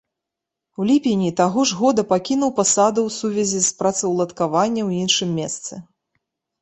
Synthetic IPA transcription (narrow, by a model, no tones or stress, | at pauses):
wlʲipʲinʲit̪aɣɔʐɣɔd̪ɐpakʲinuwpasad̪ɐwsuvʲɛzʲispɾat̪sɐwlˠɐt̪kavanʲːɐwinʂɨmːʲɛst̪sɨ